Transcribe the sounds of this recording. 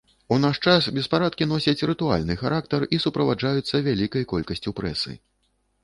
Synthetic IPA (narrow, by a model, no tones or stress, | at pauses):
unaʂt͡ʂasbʲɛspaɾat̪̚kʲin̪ɔsʲɐt͡sʲɾɨt̪ua̰lʲnɨxaɾak̚t̪ɐrisupɾɐvad͡ʐajut̪sːɐvʲalʲikɐjkɔlʲkɐsʲt͡sʲupɾɛ̰sɨ̰